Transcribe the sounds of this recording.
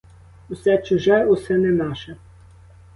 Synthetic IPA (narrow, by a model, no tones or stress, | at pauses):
ʊsɛt͡ʃʊʒɛʊsɛnɛnɑʃɛ